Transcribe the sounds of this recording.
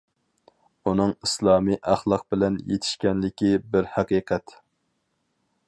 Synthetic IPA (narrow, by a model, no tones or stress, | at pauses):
unɨŋislˠɑːmiʔæχlˠɑq̚bɪlɛnjḛt̪ʰɪ̥ʃkʲɛnlɪkʲibɪɾhæqiqʰɛt̪